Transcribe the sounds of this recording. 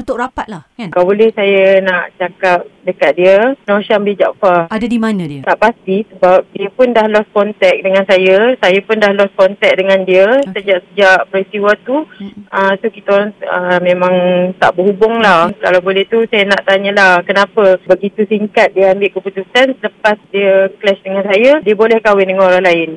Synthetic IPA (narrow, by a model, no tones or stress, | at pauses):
ut̪ʊkɾapat̪̚lakankabolɛhsajanaʔt͡ʃakap̚dəkat̪̚diənõʃambɪd͡ʒa̰ʔfaadadimanə̃diənaʔpast̪isəbap̚diəpʊndahlɔskɔnt̪ɛk̚dəŋansajəsajapʊndahlɔskɔnt̪ɛk̚dəŋandiəsəd͡ʒaʔsəd͡ʒaʔpəɾst̪iwat̪uət̪ukit̪aɾaŋəmẽmãŋt̪a̰ʔbəɦubʊŋlahkalawbolɛht̪usajanaʔt̪aɲə̃lahkənapəbəɡit̪usiŋkat̪̚diəambɪʔkəput̪usansələpasdiəklɛʃdəŋansajədiəbolɛhkawɪndəŋanoɾaŋlaɪn